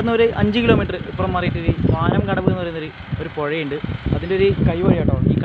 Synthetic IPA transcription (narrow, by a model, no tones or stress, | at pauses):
nːuɾɨʔɐɲd͡ʑɨkiloːmiːʈːrɨipːrɐmːɐrijiʈːoɾɨmaːnɐmkɐɽɐʋɨenːɐrɐjunːou | o̞ɾupo̞ɻɐjuɳɖɨɐðindeoɾukɐjʋɐɻijaːʈːoːɳiːk